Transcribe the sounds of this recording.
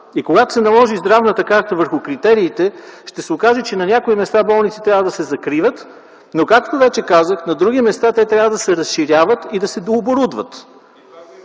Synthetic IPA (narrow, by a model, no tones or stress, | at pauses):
ikoɡat̪o̥sɛnɐlˠɔʒizd̪ɾavnət̪əkaɾt̪əvəɾxʊkɾit̪ɛɾiːt̪ɛʃt̪ɛsɛokaʒɛt͡ʃɛnɐnʲakoimɛst̪abɔlˠnit̪si̥t̪ɾʲavəd̪ɐsɛzɐkɾivət̪ | nokakt̪ovɛt͡ʃɛkazəxnɐd̪ɾuɡimɛst̪at̪ɛt̪ɾʲavəd̪ɐsɛɾɐsʃiɾʲjavət̪id̪ɐsɛd̪oːboɾud̪vət̪